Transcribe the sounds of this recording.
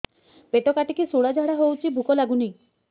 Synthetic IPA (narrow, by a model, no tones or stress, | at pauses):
peʈɔkaʈikisuɽad͡ʒʱaɽaɦowt͡ʃʰibʱukɔlaɡuni